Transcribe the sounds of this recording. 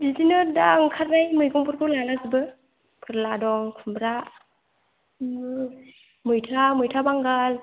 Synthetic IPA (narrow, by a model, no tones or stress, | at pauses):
bizinɯdaŋkʰaɾnajmɯjɡɔŋpʰɯɾkʰɔlalazibɯ | pʰɯɾladɔŋkʰumbɾa | mɯjtʰamɯjtʰabaŋɡal